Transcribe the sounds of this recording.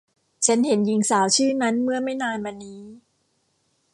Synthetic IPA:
t͡ɕʰa˦˥nhe˩˦nji˧ŋsaː˩˦wt͡ɕʰɯː˥˩na˦˥nmɯ˥˩ɐma˥˩jnaː˧nwa˧nːiː˦˥

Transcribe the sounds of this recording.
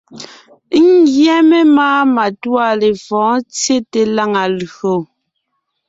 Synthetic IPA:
ŋ̩˦ɡjɛ˦me˦maː˦ma˨twa˦˨le˨fɔ̃ː˨˦t͡sje˦te˨la˦ŋa˨lo˨

